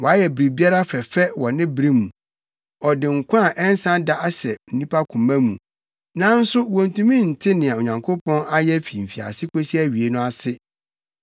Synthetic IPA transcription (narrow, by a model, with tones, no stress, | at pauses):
wɔ˨a˦jɛ˨bɾi˨bi˦a˦ɾa˦fɛ˨fɛ˦wɔ˨nɪ̃˦bɾi˦mũ˨ | ɔ˨dɪ˨ŋ̩˨kʷʰã˦a˨ʔɛ˦n˦sã˦da˦a˦ɕɛ˨n̩˨nĩ˦pʰa˦kʰũ˨mã˦mũ˨ | nã˦n̩˦sʊ˦wɔ̃˨n˨tʰũ˦mĩ˦˨n̩˨tʰɪ˦nɪ̃˨a˨o˨ɲã˨ŋkʰo˦pʰɔ̃˦na˦jɛ˦fi˨m̩˨fi˨a̰˨sɪ˦kʰo˦si˦ɛ˦ɥi˨e˦nʊ̃˦a˦sɪ˦